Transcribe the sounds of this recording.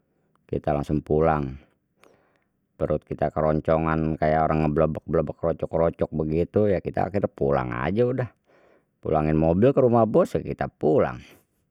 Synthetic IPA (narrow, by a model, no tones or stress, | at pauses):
kḭt̪ala̰ŋsʊŋpulaŋ | pəɾut̪̚kit̪akəɾɔɲt͡ʃɔŋankajaoɾaŋːəbləbək̚bələbəkɾɔt͡ʃɔkɾɔt͡ʃɔk̚bəɡit̪ujakit̪a̰kit̪apṵla̰ŋa̰d͡ʒaudah | pṵlaŋɪnmobɪlkəɾumahbɔsjakit̪apula̰ŋ